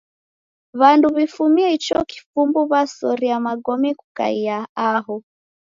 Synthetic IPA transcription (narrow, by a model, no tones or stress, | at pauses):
βanduβifumiɛit͡ʃɔki̥fumbuβasɔɾiamaɡɔmikuka̰iaaɦɔ